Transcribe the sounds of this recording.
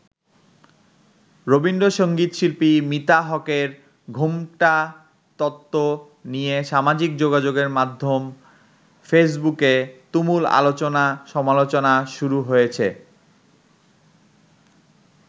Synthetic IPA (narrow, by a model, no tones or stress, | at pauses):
ɾobinɖoʃoŋɡit̪ʃilpimit̪aɦɔkeɾ | ɡʱumʈa | t̪ɔt̪ːo | nijeʃamad͡ʑik̚d͡ʑoɡad͡ʑoɡeɾmad̪ʱːom | fes̬buket̪umula̰lot͡ɕonaʃɔmalot͡ɕonaʃuɾuɦojet͡ɕʰe